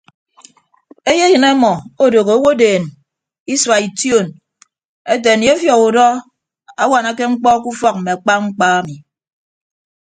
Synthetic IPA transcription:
e˦je˦jɨ˨na˦mɔ˨o˦do˨ɣo˨o˦wo˦deː˨n | i˦swa˨i˨tjo˦˨n | e˦t̬e˨n˨je˦fjɔ˨ku˨dɔ˦ | a˦wa˨na˨ke˦ŋ͡m̩˦k͡pɔ˦ku˦fɔ˦k̚m̩˨me˨a˨k͡pa˦ŋ͡m̩˦k͡paː˦a˦mi˨

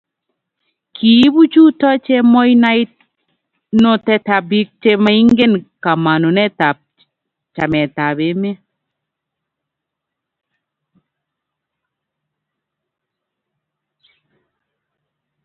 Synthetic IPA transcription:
kʰi˨˦bu˦t͡ʃu˦tɔ˦t͡ʃɛ˦mɔ˦jna˦jt̚ | no˦tɛ˧ta˨bi˦k̚t͡ʃe˦ma˦i˦ŋɡe˦nka˨ma˨no˨nɛ˦ta˨p̚ | t͡ʃa˨mɛ˨ta˨be˨˦mɛ˦

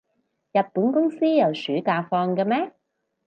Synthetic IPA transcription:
jɐ˨t̚puː˨˥nkʊ˥ŋsiː˥jɐ˨˩wsyː˨˥kaː˧fɔː˧ŋkɐ˧mɛː˥

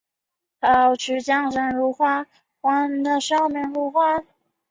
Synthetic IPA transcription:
tɑ˧˩ʊt͡ɕʰy˧˥t͡ɕjɑ˥ŋʂə˧˥nɻu˧˥xwa˥ | xwa˥nd̪ə˧ʂɑ˥ʊmɛ˧˥ŋɻu˧˥xwa˥

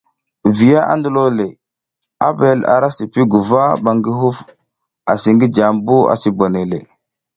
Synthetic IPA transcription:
vi˨ja˦ʔa̰˦ndu˦lo˦le˨ | a̰˦be˨la̰˨ɾa˦si˨pi˦ɡu˨va˦ba˨ŋɡi˦ɦu˦f | a˨si˨ŋɡi˦d͡ʒa˨mbu˦a̰˨si˨bo˨ne˨le˨

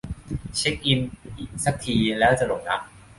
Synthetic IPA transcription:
t͡ɕʰe˦˥k̚ʔi˧nʔiː˨˩k̚sa˦˥˩k̚t̪ʰiː˧lɛː˦˥wt͡ɕa˧lo˨˩ŋ̚na˦˥k̚

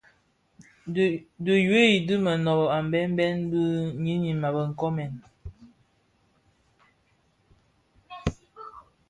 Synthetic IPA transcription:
də˨je˦i˨dɨ˦mə˨nɔ˨bɔ˨a˨m˨bɛ˦m˦bɛ˦n˦bə˦ɲi˦ni˨ma˨bə˨ŋ̩˨kɔ˦mɛ˨n

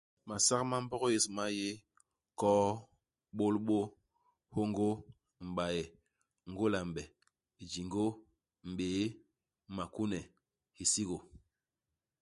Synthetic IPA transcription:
ma˨sa˦kma˦m̩˦bɔ˦ɣje˨sma˦je˦ | kɔː˦ | ɓo˦lɓo˦ | ho˦ŋɡo˦ | m̩˨ɓa˨jɛ˨ | ŋ˦ɡo˦la˨m˨bɛ˨ | i˨d͡ʒi˨ŋɡo˦ | m̩˨ɓeː˨˦ | ma˨ku˦nɛ˨ | hi˨si˦ɣo˨

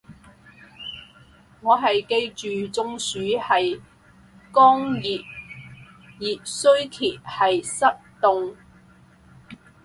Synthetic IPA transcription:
ŋɔː˨˧ɦɐ˨jke˧jt͡ʃyː˨t͡sʊ˧ŋsyː˨˥hɐ˨j | kɔː˥ŋjiː˨t̚ | jiː˨t̚sɵ˥ɥk̪ʰiː˨t̚hɐ˨jsɐ˥t̚t̪ʊ˧ŋ

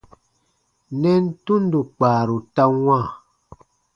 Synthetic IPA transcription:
nɛ˦n̩˦tu˦n̩˦du˨k͡paː˨ɾu˨ta˦ŋwã˦˨

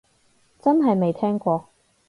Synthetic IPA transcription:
t͡sɐ˥nɦɐ˨jme˨jt̪ʰɛː˥ŋkʷɔː˧

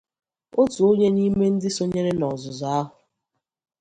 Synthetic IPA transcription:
o˦tu˨o˦ɲe˦ni˦me˦n̩˦dɪ˦so˦ɲe˦ɾe˦nɔ˨zʊ˨zɔ˨a˦ɦʊ˨

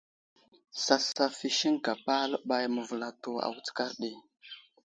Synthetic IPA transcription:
sa˦sa˦fi˦ʃi˦ŋka˨pa˦lɓa˦jmə˨və˨la˨to˨a̰˨wt͡sə̥˦ka˦ɾɗi˨

